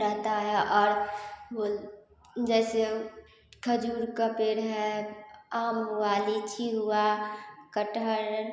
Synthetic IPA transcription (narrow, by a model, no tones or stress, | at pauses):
ɾəɦt̪aɦɛʔɔːɾbo | d͡ʒɛse | kʰəd͡ʒuːɾkapeɾɦɛ | amɦualit͡ʃʰiɦuakəʈəɾ